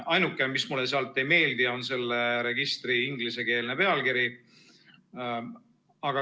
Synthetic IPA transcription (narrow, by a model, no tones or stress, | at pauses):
ʔɑjnukːˑemismulːeseɑlt̪ːˑe̞jme̞ːld̪io̞nse̞lːeɾe̞ɡ̥ist̪riiŋɡlise̞ke̞ːlnepe̞ɑlɡiɾi | ɑɡ̥ɑ